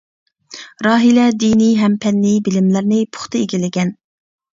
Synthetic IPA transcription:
ɾɑːɦilɛd̪iniɦɛmpʰɛnːibɪlɪmlæɾnɪpʰʊ̥χt̪ɨeɡʲilɪɡʲɛn

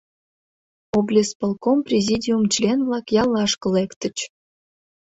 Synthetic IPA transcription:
oblʲespəlˠkomprʲezʲidʲiumt͡ɕlʲenvlɑkjɑlːɑʃkəlekt̪ə̆t͡ɕ

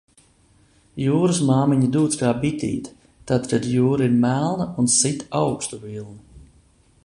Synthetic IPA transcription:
juːɾɨsmaːmiɲid̪uːt̪skaːbit̪ʲḭːt̪ | t̪at̪kad̪juːɾaiɾmælˠnaunsit̪awkst̪uvilˠna

